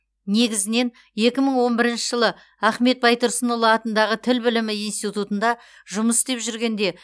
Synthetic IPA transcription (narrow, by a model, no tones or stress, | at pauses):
ne̞ɡʲɪzɪne̞n | je̞kʲɪməɴwo̞nbɪɾɪnʃɪʒəlˠə | æχme̞t̪̚bɑjt̪ʊɾsənəlˠəɑt̪ənd̪ɑʁət̪ʰɪlbɪlɪmɪijnst̪it̪ut̪ənd̪ɑ | ʒʊməst̪e̞pʒʏɾɡʲe̞nd̪e̞